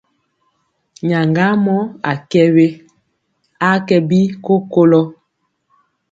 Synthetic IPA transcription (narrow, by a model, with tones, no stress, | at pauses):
ɲa˨ŋɡa˦mɔ˦a˨kɛ˦we˦ | a˦kɛ˨bi˦ko˦ko˦lɔ˦